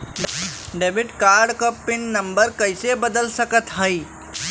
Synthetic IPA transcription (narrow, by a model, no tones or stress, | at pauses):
ɖebiʈkaɾɖkəpːɪnːəmbəɾkəɪsebəd̪əlsəkət̪ɦəj